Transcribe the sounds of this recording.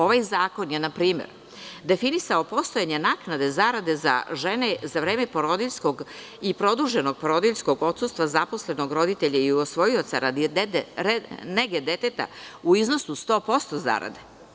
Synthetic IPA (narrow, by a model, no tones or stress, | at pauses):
o̞ʋajzaːko̞njenapɾiːmḛɾ | d̪e̞finisaopo̞st̪o̞jaɲenaknad̪e̞zaɾad̪e̞za̰ʒenezaʋɾe̞ːmepoɾo̞d̪iʎʲsko̞ɡ | ipɾo̞d̪uʒeno̞ɡ̚poɾo̞d̪iʎʲsko̞ɡo̞t̪sust̪ʋazaposle̞no̞ɡɾo̞d̪it̪eʎaiosʋo̞jio̞t̪saɾad̪iɾneɡed̪et̪et̪a̰uizno̞sust̪o̞ːpo̞st̪o̞za̰ɾa̰d̪e